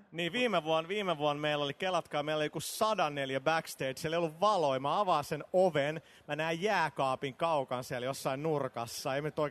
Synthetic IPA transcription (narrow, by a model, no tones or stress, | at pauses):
niːʋiːmeʋuonʋiːmeʋuonmeilːolikelːɑt̪kɑːmeiloleijokusɑdɑnːeljæbækst̪eidsiæleijolːuʋʋɑloimɑɑʋɑːsenoʋen | mænæijjæːkɑːpiŋkɑukɑnsiæljosːɑinnurkɑsːɑeimænyt̪oik